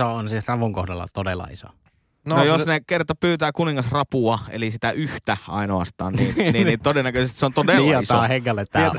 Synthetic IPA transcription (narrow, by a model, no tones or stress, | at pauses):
oonsirɑʋuŋkohdɑlːɑ̰t̪odelːɑ̰iso̰ | nnojosnekert̪opyːt̪æːkuniŋːɑsrɑpuɑḛlisit̪æʔyht̪æʔɑ̰ˑinoɑst̪ɑ̰ːnninninit̪odenːækøsest̪iseont̪odellːɑiso̰heŋːælːet̪tæ